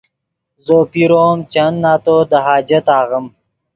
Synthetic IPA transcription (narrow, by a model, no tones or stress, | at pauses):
zoːpiɾoːmt͡ʃɐnːaːt̪od̪əɦaːd͡ʑɐt̪aːɣəm